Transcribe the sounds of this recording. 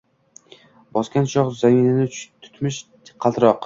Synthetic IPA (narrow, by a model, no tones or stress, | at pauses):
bɒskʲanʃɒʁzaŋʲɪnɪnɪt̪ʰʊ̥t̪mɪʃ | qʰːɑlˠt̪ʰɾɒq